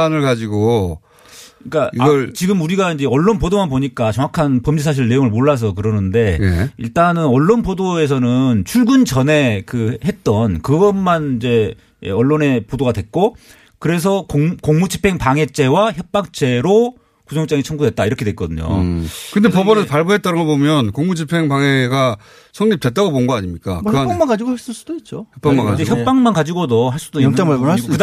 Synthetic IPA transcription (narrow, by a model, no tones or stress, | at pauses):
anɯɭkad͡ʑiɡo | k͈aiɡʌɭt͡ɕiɡɯmuɾiɡaind͡ʑe̞ʌɭːonpodomanpoɲik͈at͡ɕʌŋakʰanpʌmd͡ʑisʰaɕ̬ʰiɭːe̞joŋɯɭmoɭːas̬ʰʌkɯɾʌnɯnde̞jeḭɭt͈anɯnʌɭːonpodoe̞s̬ʰʌnɯnt͡ɕʰuɭɡunt͡ɕʌne̞kɯɦe̞t̚t͈ʌnkɯɡʌnmanind͡ʑe̞̰ | ʌɭːone̞podoɡadwe̞k͈o | kɯɾe̞s̬ʰʌkoŋmud͡ʑipʰe̞ŋpaŋe̞t͡ɕ͈e̞waçjʌp̚p͈ak̚t͡ɕ͈e̞ɾo | kusʰoŋt͡ɕ͈aŋit͡ɕʰʌŋɡudwet̚t͈aiɾʌkʰedwek͈ʌdɯɲo̰kɯndepʌbʌnɯnpaɭboɦet̚t͈aɾɯnɡobomjʌnkoŋmud͡ʑipʰe̞ŋpaŋeɡa | sʰʌŋɲip̚twe̞t̚t͈aɡobonnɡʌaɲimɲik͈a̰kɯamaɡad͡ʑiɡohaɭs͈ɯɭs͈ud̥oit̚t͡ɕ͈ojʌp͈ːamanad͡ʑeçjʌp͈aŋmankad͡ʑiɡodʌɦaɭs͈udoit͡ɕ͈amaɭboaɭkɯd